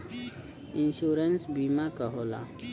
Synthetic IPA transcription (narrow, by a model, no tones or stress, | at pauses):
ɪnʃuːɾənsbiːmakəɦoːla̰